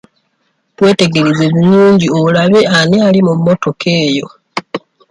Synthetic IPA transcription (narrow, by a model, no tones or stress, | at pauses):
twe̞ːte̞ɡe̞ɾezeβinuːɲɟio̞ulaβe̞ʔanealimumːo̞to̞ke̞ːjo̞